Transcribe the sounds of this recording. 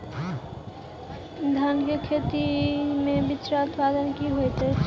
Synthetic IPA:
d̪ʱanɡəkʰeːt̪imẽbɪt͡ʃɾaʊt̪paːd̪ənkiɦojt̪e

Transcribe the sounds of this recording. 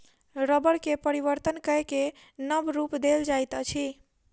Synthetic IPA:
ɾəbəɾkepəɾibəɾt̪ənkəɦke | nəbɾupd̪eld͡ʒajt̪ət͡ʃʰi

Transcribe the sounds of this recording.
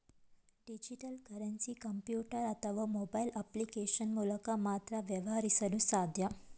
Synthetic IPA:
ɖid͡ʑiʈəlkəɾənsiːkəmpjuʈəɾat̪ʰəʋamobailəplikeɕənmuləkamat̪ɾaʋjeʋɦaɾisəlũsad̪ʱja

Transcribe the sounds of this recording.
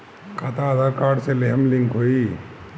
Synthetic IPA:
kʰat̪aːd̪aɾkaːɾɖseleɦɐmliŋkɦoi

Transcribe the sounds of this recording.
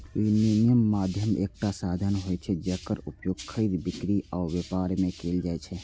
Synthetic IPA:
ininijəmːaːd̪ʱjəmeːk̚ʈasaːd̪ʱənɦoɛt͡ʃʰɛd͡ʒəkəɾʊpjoːɡkʰːəid̪bɪkɾiʔaːɾʋepaːɾmẽkeːld͡ʒaːɛt͡ʃʰɛ

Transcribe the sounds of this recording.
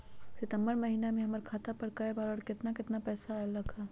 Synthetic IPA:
sɪt̪ə̃mbəɾmɐɦiːnamẽɦɐməɾkʰaːt̪apɐɾkɐebaːɾəɽkɪt̪nakɪt̪napɛːsalɐkʰaː

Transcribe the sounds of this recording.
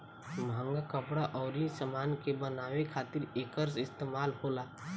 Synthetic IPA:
mʱãːŋɡakəpɽaʔɔːɾisəmaːnkebənaːʋekʰaːt̪ɪɾeːkəɾsɪst̪eːmaːlhoːlaː

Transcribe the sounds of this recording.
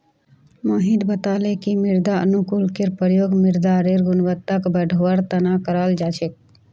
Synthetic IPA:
moːɦĩd̪bət̪aːlekimɪɾd̪aə̰nukulkeɾpəɾjoːɡmɪɾd̪aɾeɾɡʊnʋət̪ːəkbəɖʱoʋəɾt̪ənakəɾald͡ʒaːt͡ʃʰek̚

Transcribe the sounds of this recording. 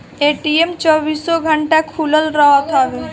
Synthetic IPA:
eʈiemt͡ʃɔbisɔɡʱəɳʈakʰuləlɾəɦət̪ɦaʋe

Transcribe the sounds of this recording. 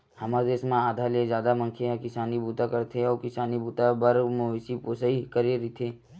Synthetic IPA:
hɐmad̪eːsmẽaːd̪ʱaled͡ʒjaːd̪amɐ̃ŋkʰeɦkɪsaːnibuːt̪akɐɾt̪ʰeɔːɾkɪsaːnibuːt̪abɐɾmosipoːsaikəɾeɾit̪ʰeː

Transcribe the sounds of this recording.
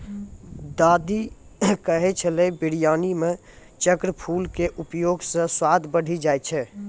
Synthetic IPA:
d̪ad̪ikəɦɛt͡ʃʰəlebiɽijanime | t͡ʃəkɾəpʰulkeʔupjoɡsə̃swad̪ʱbəɽ̤id͡ʒajt͡ʃʰɛ

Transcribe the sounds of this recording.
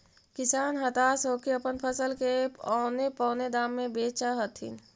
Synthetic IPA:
kɪsaːnɦət̪asoːkiəpənpʰəsəlkeɔnepɔ̃ːned̪aːmːẽbeːt͡ʃaɦət̪ɦḭn

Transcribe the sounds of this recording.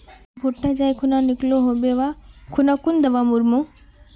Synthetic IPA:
bʱoʈːad͡ʒajkʰunanikloɦobeʋakʰʊnakund̪əʋamuɾmo

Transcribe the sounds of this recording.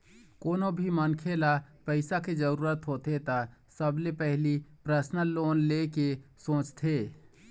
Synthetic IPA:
koːnobʱimənkʰeːlapɛɪsaked͡ʒəɾuːɾət̪ɦoːt̪et̪asəblepɛɦlipɾəsnəloːnleːkesõːt͡ʃt̪ʰeː

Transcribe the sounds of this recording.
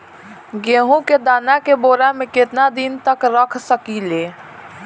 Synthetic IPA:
ɡeːɦũked̪aːnakeboːɾamẽket̪nad̪int̪əkɾəkʰsəkileː

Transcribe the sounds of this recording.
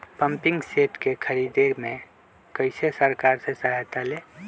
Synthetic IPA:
pəmpɪŋɡseʈkekʰəɾid̪eɾmẽ | kəɪsesəɾkaɾsesaɦt̪ale

